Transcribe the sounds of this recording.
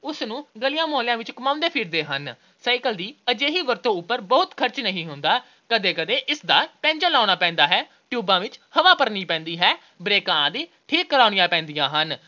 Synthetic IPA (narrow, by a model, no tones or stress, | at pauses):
ʊsnũːɡəlijãːmoːljãːʋɪt͡ʃkəmãːʊ̃nd̪eːpʰiɾd̪eːɦən | saːɪkəld̪iːəd͡ʒeːɦiːʋəɾt̪õːʊpːəɾbɔːʊt̪kʰəɾt͡ʃnəɦĩːɦʊnd̪aː | kəd̪eːkəd̪eːʔɪsd̪aːpɛ̃ːɲd͡ʒəlaːñaːpɛ̃ːnd̪aːɦɛː | ʈjuːbãːʋɪt͡ʃhəʋaːpəɾniːpɛ̃ːnd̪iːɦɛː | bɾeːkãːd̪iː | ʈʰiːkːəɾaːɽ̃ɪjãːpɛ̃ːnd̪ijãːɦən